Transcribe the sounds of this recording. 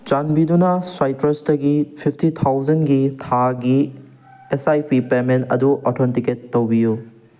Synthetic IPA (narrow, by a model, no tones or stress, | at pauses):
t͡ʃanbidunɐswajtɾɐstɐɡipʰipʰtit̪ʰawzɐnɡitʰaɡi | esajpʰipemenɐ̰duʔɔtʰontiketːowbiju